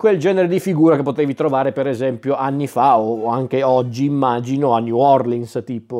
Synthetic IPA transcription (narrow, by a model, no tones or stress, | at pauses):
kweld͡ʒɛːneɾed̪ifiɡuːɾakepːot̪eːvit̪ɾovaːɾepeɾezɛmpjoanːifaoaŋk̟eɔd͡ʒːiːmːaːd͡ʒinoanːjuɔrliŋst̪iːpo